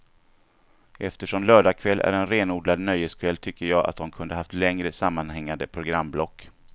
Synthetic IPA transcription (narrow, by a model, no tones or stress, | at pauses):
ʔɛft̪əʂɔmlœːɖakʰvɛlːæ̰ɾɛnɾeːnuːd̪lad̪nœjːəskʰvɛlt̪ʰʏkːəjɑːa̰t̪̚d̪ɔmkʰɵnd̪əɦaft̪lɛŋɾəsamːanhɛŋːand̪əpʰɾʊɡɾamːblɔkː